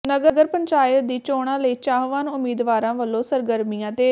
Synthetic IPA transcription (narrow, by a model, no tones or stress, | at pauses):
nəɡəɡəɾpəɲt͡ʃaːjət̚d̪iːt͡ʃoːɽ̃ãːləiːt͡ʃaːɦʋaːnʊmiːd̪ʋaːɾãːʋəlːõːsəɾɡəɾmijãːt̪eː